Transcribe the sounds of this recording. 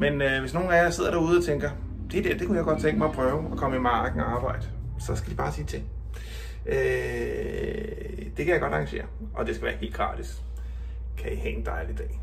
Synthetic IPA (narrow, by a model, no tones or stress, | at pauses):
menøʋe̝sno̝ːn̩æjɐse̝ð̞̰ˠɐɾ̥æɐuːð̞̩ˠɒ̽t͡sʰeŋɡ̥ɐ | d̥e̝d̥eæɐ̰d̥e̝kʰujɑɪɡ̥ɒ̽d̥̚t͡sʰeŋɡ̥mɑ̈ɪpʰʁœʊɒ̽kʰɒ̽m̰əimɑ̈ːɡ̥n̩ɒɑ̈ːb̥ɑ̈ɪ̰d̥əsɒ̽sɡ̥æd̥ib̥ɑ̈ːsʰiːt͡sʰe̝ŋ̰ | ø | d̥e̝kʰæjɑ̈ɡ̥ɒ̽ɾ̥ɑ̈ŋɡ̥æɕe̝̰ːɐ | ʔɒ̽d̥e̝sɡ̥æʋæːɐhe̝̰ːl̥ɡ̥ʁɑ̰̈d̥ʰis | kʰæihɛ̰end̥ɑ̈ɪlid̥ɛ̰ː